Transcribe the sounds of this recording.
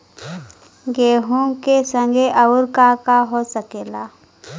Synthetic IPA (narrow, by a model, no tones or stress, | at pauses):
ɡeːɦũkesə̃ŋɡʱeʔəʊɾkakaɦoːsəkeːlaː